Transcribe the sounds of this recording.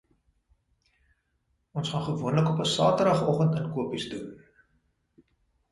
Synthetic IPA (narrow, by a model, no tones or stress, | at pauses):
ʔɔnsχɑnχəvuənləkɔpəsɑːtərɾɐχɔχəntənkuəpisdun